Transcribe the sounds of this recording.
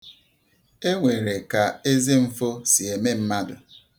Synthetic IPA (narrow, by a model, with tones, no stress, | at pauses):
e˦ŋʷe˨ɾe˨ka˨e˦ze˦m̩˦fo˦si˨e˨me˦m̩˦ma˦dʊ˨